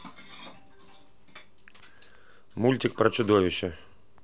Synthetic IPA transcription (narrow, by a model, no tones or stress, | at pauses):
mulʲtʲɪk̚pɾɐt͡ʃʊd̪ɔʋʲɪʃːɛ